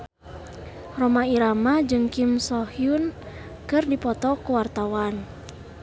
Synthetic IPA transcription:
rɔmaiɾamad͡ʒɨŋkimsɔhiun | kɨrdipɔt̪ɔkuwart̪awan

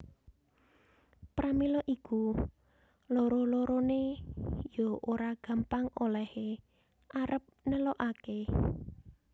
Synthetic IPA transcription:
pɾamilɔʔiku | loɾoloɾonejoʔoɾaɡ̥a̤mpaŋolɛhe | ʔaɾʔəp̚nəlɔʔake

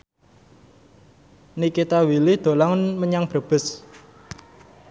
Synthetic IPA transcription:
nikit̪awilid̪̥o̤laŋnməɲaŋb̥ɾə̤b̥ə̤s

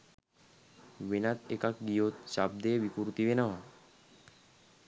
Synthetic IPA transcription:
ʋenat̪ekak̚ɡijot̪̚t͡ʃab̚d̪eʋikuɾut̪iʋenaʋa

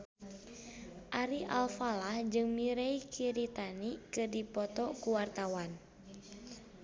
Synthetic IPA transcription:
ʔaɾiʔa̰lfalahd͡ʒɨŋmiɾeikʰiɾit̪anikɨdipɔt̪ɔkuwart̪awan

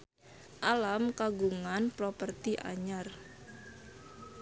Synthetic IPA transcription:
ʔalamkaɡuŋanpɾopərt̪iʔa̰ɲar

